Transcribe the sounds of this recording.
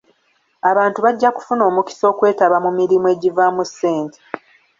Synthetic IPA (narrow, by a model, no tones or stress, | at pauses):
aβaːntuβaɟːaku̥funo̞ːmuki̥so̞ːkwe̞ːtaβamumiɾimue̞ːɟivamuse̞ːntʰe